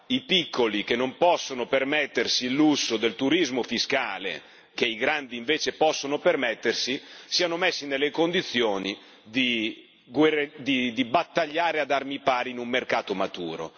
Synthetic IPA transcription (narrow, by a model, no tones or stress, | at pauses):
ipikːolikenːompɔsːonopermɛt̪ːersilːusːod̪elt̪uɾizmofiskaːlḛ | k̟eiɡɾand̪iːɱveːt͡ʃepɔsːonopermɛt̪ːersisiːanomesːinelːekond̪it̪sːjoːni | d̪i | ɡwerd̪id̪ibat̪ːaʎːaːɾead̪armipaːɾiinumːerkaːt̪omat̪ṵːɾo̰